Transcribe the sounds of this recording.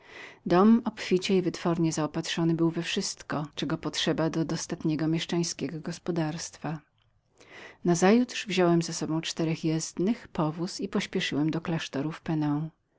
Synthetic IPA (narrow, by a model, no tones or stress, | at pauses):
d̪ɔmɔpfʲit͡ɕɛivɘt̪fɔɾɲɛzaɔpat̪ʂɔnɘbɘwvɛfʂɘst̪kɔt͡ʂɛɡɔpɔtʂɛbad̪ɔd̪ɔst̪at̪ɲɛɡɔmʲjɛʂt͡ʂaj̃skʲɛɡɔɡɔspɔd̪aɾst̪fa | nazajut̪ʂvʑɔwɛmzasɔbɔ̃w̃t͡ʂt̪ɛɾɛxjɛzd̪nɘxpɔvusipɔɕpʲjɛʂɘwɛmd̪ɔklaʂt̪ɔɾufpɛnɛ̃w